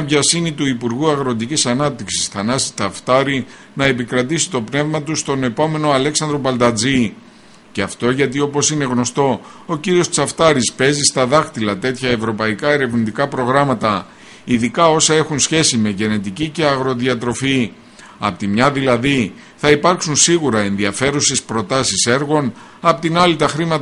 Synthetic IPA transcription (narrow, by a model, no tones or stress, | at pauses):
pʝɐsimit̪uipuɾɣuɐɣɾot̪̬icisɐnɐp̚t̪iksi̥sθɐnɐsi̥t͡sɐft̪ɐɾi | nɐe̞pikɾɐt̪isi̥t̪o̞pne̞vmɐt̪ust̪o̞ne̞po̞me̞no̞ɐleksɐnd̪ɾo̞pɐld̪ɐd͡zi | ceɐft̪o̞ʝɐt̪io̞po̞sine̞ɣno̞st̪o̞o̞ciɾio̞st͡sɐft̪ɐɾispe̞zist̪ɐðɐxt̪ilɐt̪e̞t̪çɐe̞vɾo̞pɐikɐeɾe̞vnit̪ikɐpɾo̞ɣɾɐmɐt̪ɐ | iðikɐo̞sɐe̞xunsçe̞sime̞ʝe̞ne̞t̪icice̞ɐɣɾo̞ðiɐt̪ɾo̞fi | ɐ̰pot̪imɲɐðilɐði | θɐipɐɾksunsiɣuɾɐe̞nðiɐfe̞ɾuse̞spɾo̞t̪ɐsise̞ɾɣo̞n | ɐpot̪inɐlit̪ɐxɾimɐt̪